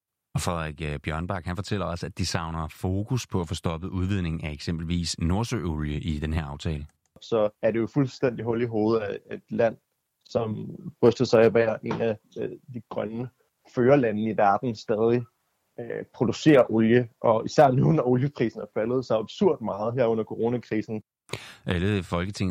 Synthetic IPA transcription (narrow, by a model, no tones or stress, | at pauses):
ɒ̽fʁɛðˠɐʁaɡ̥b̥jɶɐnb̥ɑ̈ːɡ̥hænfɒ̽t͡sʰel̰ɐɒ̽səæd̥isɑ̈ʊnɐfo̝ːkʰuspʰɒ̽æfo̽sd̥ɒ̽b̥əʔuð̞ˠʋið̞̰ˠne̝ŋ̩æeɡ̥sem̰b̥l̩ʋḭːsno̝ɐsø̰oljəʔid̥enɦeɐɑ̈ʊt͡sʰɛːlə | sɒ̽æɐɾe̝jo̝fulsd̥en̰d̥iɦɔ̽liɦo̝ːð̞̩ˠæed̥læn̰ | sɒ̽m̥ʁœsd̥ðˠsɑ̈ɪæbæɐ̰ʔe̝næ | d̥iɡ̥ʁɶnə | føːɐlænnəiʋæɐd̥n̩sd̥ɛːð̞ˠi | pʰʁo̝d̥use̝̰ːɐʔɔljəʔɒ̽isæɐ̰nunɒoljəpʰʁḭːsn̩æɐfælð̩ˠsɑ̈ɪɑb̥suɐ̰d̥mɑ̈ːð̩ˠɦeɐ̰ɔ̽n̰ɐkʰo̝ʁo̝ːnækʰʁiːsn̩ | ʔæləfɒ̽lɡ̥ət͡sʰe̝ŋ